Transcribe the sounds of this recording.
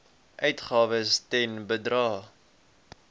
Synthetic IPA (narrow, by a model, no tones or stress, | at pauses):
ʔœɥtχɑːvəstɛnbədrɑː